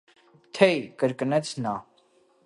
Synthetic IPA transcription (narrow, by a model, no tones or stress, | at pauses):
t̪ʰɛjkəɾkənɛt͡sʰnɑ